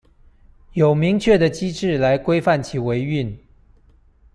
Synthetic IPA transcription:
jo˨˩ʊmi˧˥ŋt͡ɕʰɥɛ˥˩d̪ə˩t͡ɕi˥ʈ͡ʂɻ̩˥˩la˧˥ɪkwe˥ɪfa˥˩nt͡ɕʰi˨˩we˧˥ɪy˥˩n

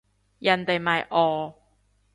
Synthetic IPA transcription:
jɐ˨˩nt̪e˨˩jmɐ˨jʔɔː˨˩

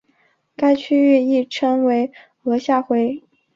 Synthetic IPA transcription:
ka˥ɪt͡ɕʰy˥ɥɛ˥˧i˥˩ʈ͡ʂʰə˥ŋwe˧˥ɪ | ɤ˧˥ɕja˥˩xwe˧˥ɪ

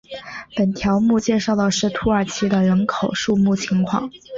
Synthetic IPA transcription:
pə˨˩nt̪ʰjɑ˧˥ʊmu˥˧t͡ɕjɛ˥˧ʂɑ˥˩ʊlə˨˩ʂɻ̩˥˩t̪ʰu˧˥ə˞˨˩t͡ɕʰi˧˥d̪ə˨ɻə˧˥nkʰo˨˩ʊʂu˥˧mu˥˩t͡ɕʰi˧˥ŋkʰwɑ̰˥˩ŋ

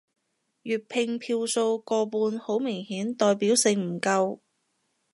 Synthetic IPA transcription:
jyː˨t̚pʰɪ˧ŋpʰiː˧wso˧wkɔː˧puː˧nho˨˥wmɪ˨˩ŋhiː˨˥nt̪ɔː˧jpiː˨˥wsɪ˨ŋm̩˨˩kɐ˧w

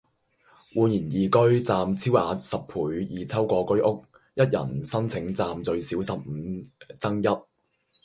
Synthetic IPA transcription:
wuː˨˧njiː˨˩njiː˨kɵ˥ɥt͡saː˧mt͡sʰiː˥waː˨˥sɐ˨p̚pʰuː˨˥jjiː˨˧t͡sʰɐ˥wkʷɔː˧kɵ˥ɥʔʊ˥k̚ | jɐ˥t̚jɐ̰˨˩nsɐ˥nt͡sʰɪ˨˥ŋt͡saː˧mt͡sɵ˧ɥsiː˨˥wsɐ˨p̚m̩˨˧t͡sɐ˥ŋjɐ˥t̚

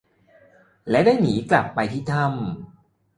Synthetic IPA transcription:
lɛ˦˥wdaː˥˩jniː˩˦kla˨˩pːa˧jt̪ʰiː˥˩t̪ʰa˥˩m

